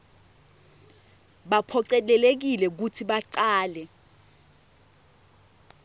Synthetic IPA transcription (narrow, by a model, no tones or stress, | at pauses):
ɓapʰɔǀɛlɛlek̬ilɛk̬utʰiɓaǀaːlɛ